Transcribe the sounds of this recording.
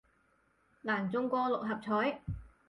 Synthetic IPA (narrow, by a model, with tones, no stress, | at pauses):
ŋaː˨˩nt͡sʊ˥ŋkʷɔː˧lʊ˨k̚ɦɐ˨p̚t͡sʰɔː˨˥j